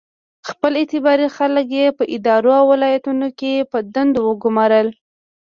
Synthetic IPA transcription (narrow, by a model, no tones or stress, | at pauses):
xpəlɪt̪ɪbɑɾixalək̬jepəʔɪd̪ɑɾoawːɪlɑjat̪unokepəd̪and̪owəɡʊmɑɾəl